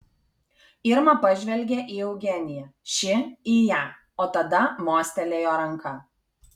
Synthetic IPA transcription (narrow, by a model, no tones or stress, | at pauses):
ɪɾmɐpɐʒʲʋʲɛlʲɡʲeʔiːɛʊɡʲɛnʲɪjɛʃʲɪiːjæː | oːt̪ɐd̪ɐmoːsʲt̪ʲɛlʲeːjoːɾɐŋˑkɐ